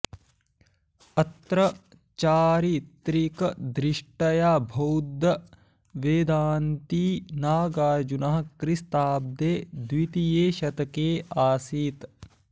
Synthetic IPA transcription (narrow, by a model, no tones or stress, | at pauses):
ɐt̪ɾɐ | t͡ʃaːɾit̪ɾikɐd̪ɾiʂʈɐjaːbʱɐwd̪ʱɐ | ʋeːd̪aːnt̪iːnaːɡaːd͡ʒunɐɦɐkɾist̪aːb̚d̪eːd̪wit̪ijeːʃɐt̪ɐkeːaːsiːt̪